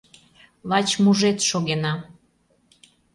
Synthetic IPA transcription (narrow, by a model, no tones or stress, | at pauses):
lɑt͡ɕmuʒet̪ʃoɣenɑ